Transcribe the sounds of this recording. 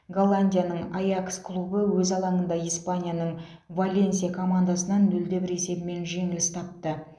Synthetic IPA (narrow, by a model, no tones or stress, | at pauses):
ɡolˠːanʲdʲijanəɴajaksklˠubəwɵzɑlˠɑɴənd̪ɑijspanʲijanəɴ | valʲe̞ns̬ijakʰo̞mand̪asənɑnːɵld̪e̞bɪɾe̞se̞bɪme̞nʒe̞ŋɪlʲɪsɪ̥t̪ʰɑp̚t̪ə